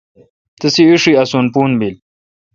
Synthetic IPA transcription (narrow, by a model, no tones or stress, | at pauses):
t̪əsiuʂiɐsunpuːnbil